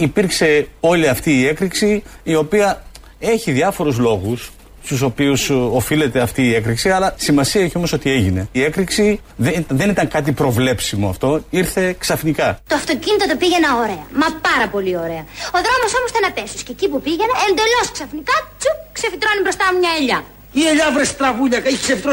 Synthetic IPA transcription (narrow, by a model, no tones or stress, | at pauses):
ipiɾkse̞o̞liɐft̪iːe̞kɾiksiːo̞piɐ | e̞çiðʝɐfoɾuzlo̞ɣus | st̪uso̞piuso̞file̞t̪e̞ɐft̪iːe̞kɾiksiɐlɐsimɐsiɐeçio̞mo̞so̞t̪ie̞ʝine̞iekɾiksiðeðe̞nit̪ɐŋkɐt̪̬ipɾo̞vle̞psimo̞ɐ̰ft̪o̞iɾθe̞ksɐfnikɐt̪oɐft̪o̞cinit̪ot̪̬opiʝenɐoɾe̞ɐmɐpɐɾɐpo̞lioɾe̞ɐo̞ðɾo̞mo̞so̞most̪enɐpesuscecipupiʝenɐend̪e̞lo̞sksɐfnikɐt͡sukse̞fit̪ɾo̞nibɾo̞st̪ɐmumɲɐeʎɐ | ieʎɐvɾest̪ɾɐvuʎɐkɐiksefit̪ɾo